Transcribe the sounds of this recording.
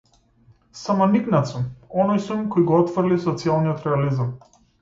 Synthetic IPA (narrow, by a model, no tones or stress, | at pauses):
samaniknat̪sumɔnɔjsumkɔjɡɔɔt̪fr̩lisɔt̪sialˠnijɔt̪ɾɛalizam